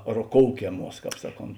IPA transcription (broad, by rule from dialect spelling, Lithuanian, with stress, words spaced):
roːˈkoːʊkʲɛˌmuɔs ˈsɑːˌkoːnt